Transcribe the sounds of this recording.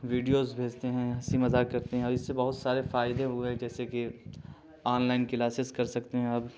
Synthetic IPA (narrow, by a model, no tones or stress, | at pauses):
ʋiːɖijoːzbʱeːd͡ʒt̪eɦɛ̃ɐsimɐzaːkɐɾt̪eɦɛ̃ɔːɾɪsːebɐɦʊt̪saːɾefaːjɪd̪ẽɦuẽd͡ʒɛːseki | aːnlaːɪnkilaːsɪskɐɾsɐkt̪eɦɛ̃ɐb